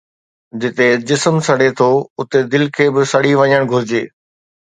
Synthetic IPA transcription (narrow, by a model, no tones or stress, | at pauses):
d͡ʑɪt̪ed͡ʑɪsəmsɐɽ̤et̪ʰoʊt̪ed̪ɪlkʰeːbɪsɐɽiʋɐ̃ɲəɽ̃ɡʱʊɾɪd͡ʑeː